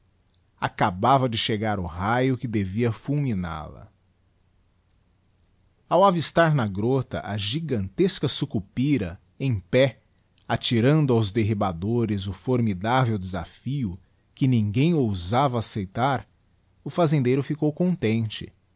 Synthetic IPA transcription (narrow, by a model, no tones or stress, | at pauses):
akabavɐd͡ʒɪʃeɡaɾʊhajʊkɪd̪eviɐfulmĩna̰lɐ̰ | awavist̪aɾnɐɡɾot̪ɐ̰ʔɐʒiɡɐ̃nt̪eskɐsukupiɾɐ | ẽj̃pɛ | at͡ʃiɾɐ̃nd̪ʊawzd̪eɦibad̪oɾɪzʊfoɾmid̪avewd̪eza̰fiʊ | kɪnĩŋɡẽj̃owzavɐːsejt̪aɾ | ʊfazẽnd̪ejɾʊfikowkõnt̪ẽnt͡ʃɪ̰